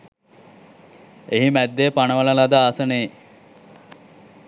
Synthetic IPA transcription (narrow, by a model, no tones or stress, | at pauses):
eɦimæd̪ːeːpanəʋələlad̪əaːsəneː